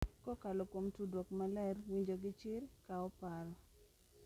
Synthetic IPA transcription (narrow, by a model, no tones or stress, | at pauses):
kɔkalɔkomtudwokmalɛrwiɲd͡ʒoɡɪt͡ʃɪɾkaɔpaɾɔ